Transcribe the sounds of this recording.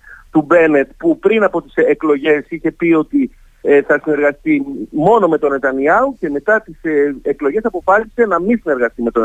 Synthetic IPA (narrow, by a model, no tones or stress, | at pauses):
t̪ube̞ne̞t̪pupɾinɐpo̞t̪i̥seklo̞ʝe̞siçe̞pio̞t̪i | θɐsine̞ɾɣɐst̪imo̞no̞me̞t̪o̞ne̞t̪ɐniɐuce̞me̞t̪ɐt̪iseklo̞ʝe̞sɐpo̞fɐsise̞nɐmisine̞ɾɣɐst̪ime̞t̪o̞n